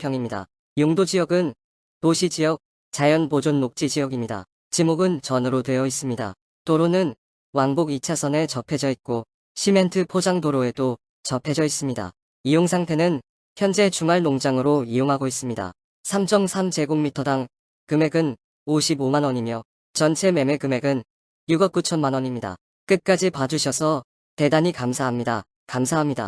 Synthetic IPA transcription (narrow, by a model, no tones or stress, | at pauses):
pʰjʌŋimɲida̰ | joŋdod͡ʑijʌɡɯn | toɕʰid͡ʑijʌk̚ | t͡ɕajʌnpod͡ʑonmok̚t͡ɕ͈id͡ʑijʌɡimɲida̰ | t͡ɕimoɡɯnt͡ɕʌnɯɾodwe̞jʌis͈ɯmɲida̰ | toɾonɯn | waŋboɡit͡ɕʰasʰʌne̞t͡ɕʌpʰe̞d͡ʑʌit̚k͈o | ɕʰime̞ntʰɯpʰod͡ʑaŋdoɾoe̞do | t͡ɕʌpʰe̞d͡ʑʌis͈ɯmɲida̰ | ijoŋsʰaŋtʰe̞nɯn | çjʌnd͡ʑe̞t͡ɕuŋaɭnoŋd͡ʑaŋɯɾoijoŋɦaɡois͈ɯmɲida̰ | sʰamt͡ɕʰʌmsʰamd͡ʑe̞ɡoŋmitʰʌdaŋ | kɯme̞ɡɯn | oɕʰibomanʌɲimjʌ | t͡ɕʌnt͡ɕʰe̞me̞me̞kɯme̞ɡɯn | juɡʌk̚k͈ut͡ɕʰʌnmanʌɲimɲida̰ | k͈ɯt̚k͈ad͡ʑipad͡ʑuɕʰʌsʰʌ | te̞daɲikamsʰaɦamɲida̰ | kamsʰaɦamɲida̰